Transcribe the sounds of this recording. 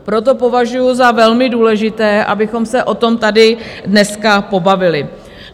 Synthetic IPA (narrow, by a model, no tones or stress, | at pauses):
pɾo̞t̪̬o̞po̞vaʒujʊzavɛlmɪduːlɛʒɪt̪ɛːʔa̰bɪxo̞msɛʔo̞t̪o̞mt̪adɪdnɛskapo̞bavɪlɪ